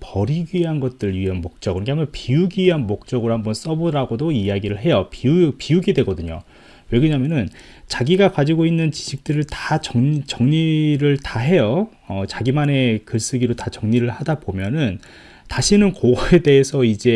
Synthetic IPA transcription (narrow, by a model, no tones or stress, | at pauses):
pʌɾiɡiɦanɡʌt̚t͈ɯɾɯɭɥiɦanmok̚t͡ɕ͈ʌkɯɾʌkeampʰʌnpiuɡiɦanmok̚t͡ɕ͈ʌɡɯɾohambʌns͈ʌboɾaɡodoijaɡiɾɯɭɦe̞jʌpiupiuɡidwe̞ɡʌdɯɲo̰ | we̞ɡɯɲamjʌnɯn | t͡ɕaɡiɡakad͡ʑiɡoinːɯnt͡ɕi̥ɕʰik̚t͈ɯɾɯɭtat͡ɕʌŋt͡ɕʌŋɲiɾɯɭtaɦe̞jʌ | ʌt͡ɕaɡimane̞kɯɭs͈ɯɡiɾotat͡ɕʌŋɲiɾɯɭhadabomjʌnɯn | taɕʰinɯnkoɡʌe̞de̞ːsʰʌid͡ʑe̞